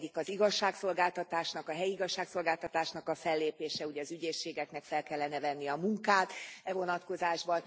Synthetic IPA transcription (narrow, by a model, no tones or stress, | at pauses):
ikɒziɡɒʃːaːkso̞lɡaːlt̪ɒt̪aːʃnɒkɒɦɛjiiɡɒʃːaːkso̞lɡaːlt̪ɒt̪aːʃnɒkɒfɛlːeːpeːʃɛuɟɛɒzyɟeːʃːeːɡɛknɛkfɛlkɛlːɛnɛvɛnːijɛɒmuŋkaːt̪ɛvo̞nɒt̪ko̞zaːʒbɒn